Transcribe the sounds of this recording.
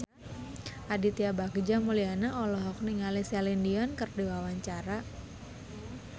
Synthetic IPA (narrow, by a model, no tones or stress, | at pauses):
ʔadit̪iabakd͡ʒamulianaɔlɔɦɔk̚niŋalisalindiɔnkərdiwawaɲt͡ʃaɾa